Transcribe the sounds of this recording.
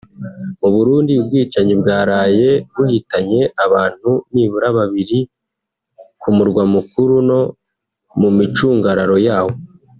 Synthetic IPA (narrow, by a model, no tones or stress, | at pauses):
uβuɾuːndib̚ɡiːt͡ʃaɲibɡaːɾaːje̞βuhitaɲe̞ʔaβaːn̥huniβuɾaβaβiɾi | kumuɾɡwamukʰuɾuno̞ | mumit͡ʃuːŋɡaɾaɾo̞jaːho̞